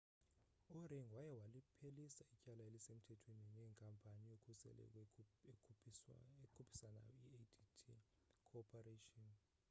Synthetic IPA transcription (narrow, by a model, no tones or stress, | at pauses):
uriŋwajɛwalipʰelisaicʼalaelisem̩tʰɛtʰweninɛːŋkʼampʰʼanijokʰusɛ̰lɛ̰kʰ | ekʰupʰi̥sana̰ieditʰḭ | kʰɔpʰaretʼɔn